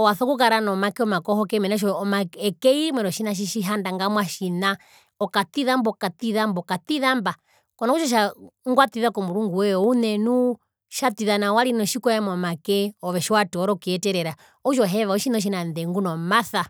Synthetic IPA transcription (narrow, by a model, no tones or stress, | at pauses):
ɔwaθɔkukaɾanɔmakɛɔmakɔhɔkɛmɛnaʃ̬ɔmaɛkɛimwɛɾɔʃinaʃ̬iʃiɦandaŋɡamwaʃina | ɔkat̪iðambɔkat̪iðambɔkat̪iðamba | kɔnɔkut͡ʃɔʃ̬aŋɡwat̪iðakɔmuɾuŋɡuwɛɔunɛnu | ʃat̪iðanawaɾinɔʃikɔjɛmɔmakɛɔʋɛʃiwatɔɔɾɔkiɛtɛɾɛɾa | ɔʃɔɦɛʋaɔʃinɔʃ̬inandɛŋɡunɔmaθa